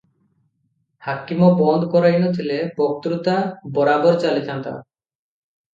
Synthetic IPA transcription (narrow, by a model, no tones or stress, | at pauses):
hakimɔbɔnd̪kɔɾajnot̪ʰilebɔk̚t̪ɾut̪abɔɾabɔɾt͡ʃalit̪ant̪a̰